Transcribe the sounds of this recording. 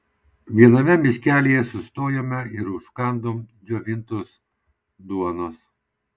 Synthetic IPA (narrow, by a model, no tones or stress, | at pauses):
ʋʲiɛnɐmʲɛmʲɪsʲkʲæːlʲeːjɛsʊst̪oːjoːmʲɛɪɾʊʃkɑˑnd̪oːmd͡ʒʲoːʋʲɪnt̪oːs | d̪uɔnos